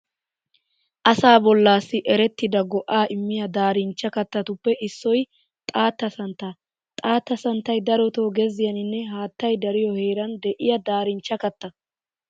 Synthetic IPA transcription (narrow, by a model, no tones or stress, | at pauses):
ʔɐsaːbɔlːaːsːɪʔɛɾɛt̪ːɪd̪ɐɡɔʔaːʔɪmːɪjɐd̪aːɾɪnt͡ʃːɐkɐt̪ːɐt̪ʊpːɛʔɪsːɔj | t̪ʼaːt̪ːɐsɐnt̪ːɐ | t̪ʼaːt̪ːɐsɐnt̪ːɐjd̪ɐɾɔt̪o̞ːɡɛzɪjɐnɪnːɛɦaːt̪ːɐjd̪ɐɾɪjɔheːɾɐnd̪ɛʔɪjɐd̪aːɾɪnt͡ʃːɐkɐt̪ːɐ